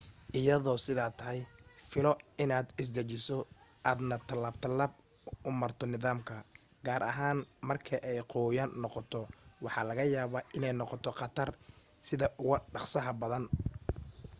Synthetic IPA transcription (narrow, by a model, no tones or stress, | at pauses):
ʔɪjɐðɔːsɪðaːt̪ʰɐɦɛjfɪlɔɪnaːd̪ɪs̬d̪ɐt͡ʃɪsɔʔaːd̪nɐt̪ʰɐlaːbt̪ʰɐlaːb̚ | ʊmɐrt̪ʰɔnɪðaːmkʰɐ | ɡ̥aːɾʔɐ̰ɦaːnmɐrkʰɐʔɛjqɔːjaːnːɔqɔt̪ʰɔwɑħɑːlɐɣɐjaːβaːʔɪnɛjnɔqɔt̪ʰɔqɑt̪ʰɐr | sɪðɐʔʊɣʊɖɑqsɐɦɐbɐðɐn